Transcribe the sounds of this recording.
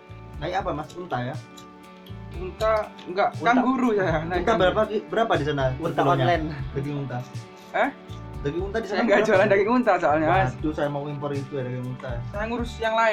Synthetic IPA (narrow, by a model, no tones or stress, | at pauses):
naiapamasi̥unt̪aja | unt̪a | ŋɡaʔuaŋɡuɾusajanaunt̪abəɾapakibəɾapadis̬anat̪aaɲalɛndaɡimunt̪a | əhdaɡiŋunt̪adisanaŋɡad͡ʒualandaɡiŋunt̪asoalɲaat̪usajamauimpɔɾit̪ujadaɡiŋunt̪ajasajaŋuɾʊsjaŋlaɪ